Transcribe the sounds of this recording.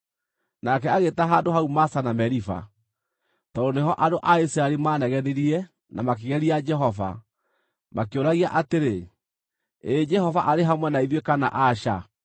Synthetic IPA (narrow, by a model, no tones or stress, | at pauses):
nakɛaɣetaɦaːndoɦaumasanamɛɾifa̰ | tɔɾoneɦɔʔadoʔaisiɾaelimaːnɛɣɛðeɾiɛ | namak̬eɣɛɾiad͡ʒɛɦɔva̰ | mʔakeoɾaɣiaʔateɾe | ed͡ʒɛhɔvaʔaɾeɦamwɛnaiðwekana̰ʔaʃa̰